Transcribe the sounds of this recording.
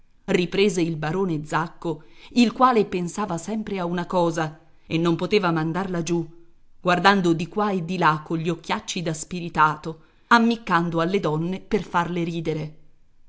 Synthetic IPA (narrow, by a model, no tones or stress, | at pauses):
ripɾeːzeilbaɾoːned̪zakːoilkwaːlepensaːvasɛmpɾeaunakɔːza | ḛnːompot̪eːvamand̪arlad͡ʒu | ɡ̥ward̪and̪od̪ikwaed̪ːilakːoʎːiokːjat͡ʃːid̪aspiɾit̪aːt̪o | amːikːand̪oalːed̪ɔnːeperfarleɾiːd̪eɾe